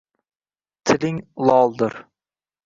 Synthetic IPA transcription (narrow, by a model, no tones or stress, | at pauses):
t̪ʰɪlɪŋlˠɒlˠd̪ɪɾ